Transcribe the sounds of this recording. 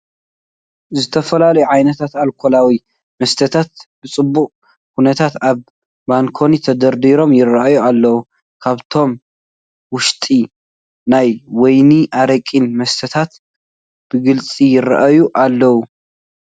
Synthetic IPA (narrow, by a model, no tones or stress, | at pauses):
zɨt̪ʰɐfɐlalɐjuʕajnɐt̪ʰat̪alkʰolawi | mɐst̪ʰɐt̪ʰat̪̚b̥ɨt͡sʼɨbːukʼ | hunɐt̪ʰat̪aβː | aŋkʰo̞nit̪ʰɐd̪ɐɾd̪iɾo̞mjɪrɐʔajualːɐwu | kʰaβt̪ʰo̞m | wʊʃt̪ʼi | najwɔjniʔaɾɐkʼinmɐst̪ʰɐt̪ʰat̪ | b̥ɨɡɨlt͡sʼijɪɾɐʔajuʔalːɐwu